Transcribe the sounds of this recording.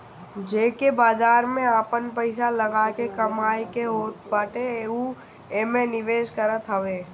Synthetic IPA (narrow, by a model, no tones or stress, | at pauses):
d͡ʒeːkebaːd͡ʒaːɾmẽaːpənpəɪsaləɡaːkekəmaːikeɦoːt̪baːʈeu | emẽnɪʋeːʃkəɾət̪ɦəʋeː